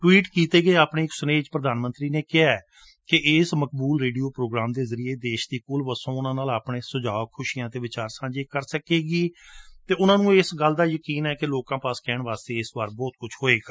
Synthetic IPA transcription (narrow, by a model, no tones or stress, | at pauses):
ʈwiːʈkiːt̪eːɡeeːaːpɳeːɪksʊneːd͡ʒpɾəd̪aːnmə̃nt̪ɾiːneːkɪaːɛː | kɪʔɪːsmək̚buːlɾeːɖijoːpɾoːɡɾaːmd̪eːzəɾieːd̪eːʃd̪eːkʊːlʋəsõːʊnãːnaːlaːpɳeːsʊd͡ʒaːkʰʊʃiːãːt̪eːʋɪt͡ʃaːɾsãːd͡ʒeːkəɾsəkeːɡiːt̪eːʊnãːnũːɪsɡəld̪aːjəkiːnɛːkeloːkãːpaːskɛːɳʋaːst̪eːɪsʋaːɾbɔːt̪̚kʊt͡ʃʰɦoːeːɡa